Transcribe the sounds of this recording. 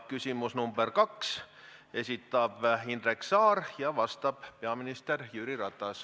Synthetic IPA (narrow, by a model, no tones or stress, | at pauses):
kysʲimusnumberkɑks | e̞sʲit̪ːˑɑb̥ind̪reksɑːrjɑvɑst̪ɑb̥pe̞ɑminist̪erjyːɾirɑt̪ːˑɑs